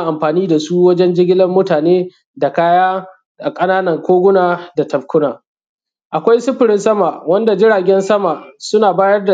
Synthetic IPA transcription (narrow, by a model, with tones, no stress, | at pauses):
a˨ʔa˨mɸaː˨niː˦da˨su˦wɐ˦d͡ʒɛ˦nd͡ʒɪ˦ɡʲɪ˦lɐ˦mːʊ˦taː˨neː˦ | da˨kaː˦jaː˦ | ʔa˨kʼɐ˦naː˦nɐ˨ŋkʷoː˦ɡʷʊ˦naː˨da˨tɐ˨bkʷʊ˦naː˨ | ʔa˨kʷa˦jsʊ˦ɸɪ˨ɾɪ˦nsɐ˦ma˨wɐ˦nda˨d͡ʒɪ˦ɽaː˨ɡʲɛ˦nsɐ˦ma˨sʊ˦naː˨baː˦jɐ˦rda˨